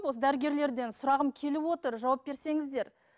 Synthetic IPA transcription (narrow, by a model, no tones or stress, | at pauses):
pwo̞s̬əd̪æɾəɡʲe̞ɾle̞ɾd̪e̞nsʊɾɑʁəmkʲʰe̞lɪwo̞t̪əɾʒɑwɑp̚be̞ɾse̞ŋɪzd̪e̞ɾ